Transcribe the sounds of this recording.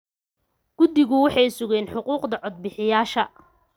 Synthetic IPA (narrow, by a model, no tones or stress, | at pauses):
ɡ̥ʊd̪ɪɣʊwɑħɑjsʊɣɛːnħʊquːqd̪ɐʕɔd̪̚bɪħɪjaːʃɐ